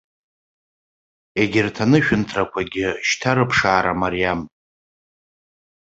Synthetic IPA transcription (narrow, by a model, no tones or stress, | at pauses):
e̞ɡʲɪrtʰanɨʃᶣʊntʰrakʷʰaɡʲɪʃtʰaɾɨpʰʂaːɾamaɾijam